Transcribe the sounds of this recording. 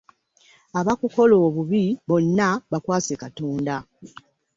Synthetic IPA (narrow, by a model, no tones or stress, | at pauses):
aβakuko̞loːβuβiβo̞nːaβakwaːsekatoːnda